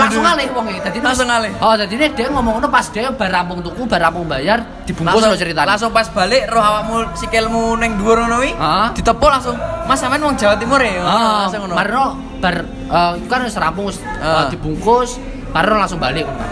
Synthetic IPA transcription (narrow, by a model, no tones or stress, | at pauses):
laŋsʊŋalɪhwɔŋid̪̥a̤d̪̥insʊŋalɪhɔd̪̥a̤d̪ined̪̥ɛ̤ʔɛŋɔmɔŋɔnɔpasd̪̥ɛ̤ʔɛb̥a̤ɾampʊŋt̪ukub̥a̤rɾampʊŋbajar | d̪̥i̤b̥uŋkʊsrɔt͡ʃəɾit̪alaŋs̬ʊŋpasb̥a̤lɪʔrɔhawaʔmusikɪlmunɪŋduɔrŋɔnowiəd̪̥i̤t̪əpɔlaŋsʊŋmasamaɛnwɔŋd͡ʒ̥awat̪ːimuɾeɔaŋɔnmaɾnɔ | b̥a̤r | ət̪ukanwʊsɾampʊŋwʊsd̥̪i̤b̥uŋkʊs | maɾnɔlaŋsʊŋbalɪʔkuka̰